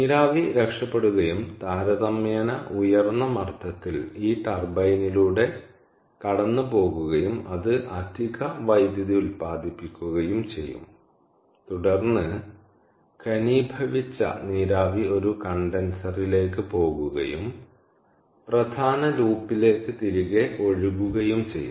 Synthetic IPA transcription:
niːɾaːʋiɾe̞kʂɐpːe̞ɽuɣɐjumt̪aːɾɐðɐmːeːnɐʔujɐrnːɐmɐrt̪ʰɐt̪ːiliːt̪ɐrbɐjniluːɽe̞ | kɐɽɐnːɨpo̞ːɣuɣɐjumɐðɨʔɐd̪ʱiɣɐʋɐjd̪jɐðiulpaːd̪ʱipːikʲːuɣɐjumt͡ɕe̞jːṵm | t̪uɽɐrnːɨ | kɐnibʱɐʋit͡ɕːɐ̰niːɾaːʋio̞ɾukɐɳɖɐnsɐrile̞ːkːɨpo̞ːɣuɣɐ̰jum | prɐd̪ʱaːnɐluːpːile̞ːkːɨt̪iɾuɣe̞o̞ɻuɣuɣɐjumt͡ɕe̞̰jːṵ

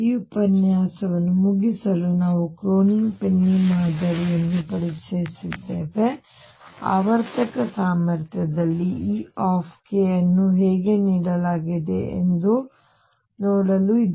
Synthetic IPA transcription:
iːupɐnjaːsɐʋɐnːumuɡisɐlunaːʋukɾoːniŋpenːimaːd̪ɐɾijɐnːupɐɽisesid̪ːe̞ːʋe̞ | a̰ːʋɐɾt̪ɐkɐsaːmɐɾt̪ʰjɐd̪ɐlːiʔiːaːpʰkejɐnːuɦeːɡe̞niːɽɐlaːɡid̪eḛnd̪u | noːɽɐluid̪

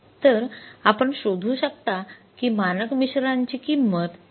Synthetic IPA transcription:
t̪əɾapəɳɕod̪ʱuːɕəkt̪akiːmanəkmiɕɾaɲt͡ɕiːkimːət̪

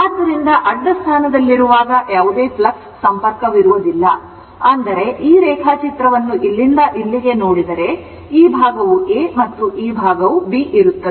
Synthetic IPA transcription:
aːd̪ːɐɾind̪ɐʔɐɖːɐst̪ʰaːnɐd̪ɐlːiɾuʋaːɡɐʔjaːʋud̪eːplɐksːɐmpɐɾkɐʋiɾuʋud̪ilːɐ̰ | ɐnd̪ɐɾe̞ʔiːɾɛːkʰaːt͡ʃit̪ɾɐʋɐnːuʔilːind̪ɐʔilːiɡe̞noːɽid̪ɐɾe̞ | iːbʱaːɡɐʋueːmɐt̪ːuʔiːbʱaːɡɐʋubiːʔiɾut̪ːɐe

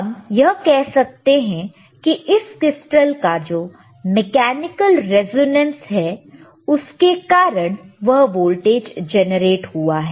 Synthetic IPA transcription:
ɐmjɐɦkɛɦsɐk̚t̪eɦɛ̃ | kiʔɪskɪsʈəlkad͡ʒoː | mɛkɛːnɪkəlɾɛzoːnə̃nsɦɛː | ʊskekaːɾəɽ̃ʋɐɦʋoːlʈeːd͡ʒd͡ʒɛnəɾeːʈɦuaɦɛː

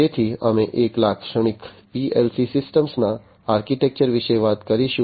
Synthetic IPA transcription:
eːt̪ʰiɐmẽʔeːklaːkʰʃəɳ̃ɪkpiːeːlsisɪsʈəmsna | aːɾkiʈek̚t͡ʃəɾʋɪʃejʋaːt̪kɐɾiʃu

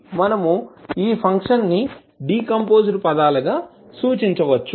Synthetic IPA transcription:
mɐnɐmuiːpʰɐŋkʂɐnːi | ɖiːkɐmpo̞ːd͡ʒɐɾpɐd̪aːlɐɡaː | suːt͡ʃiɲt͡ʃɐʋɐt͡ʃːu

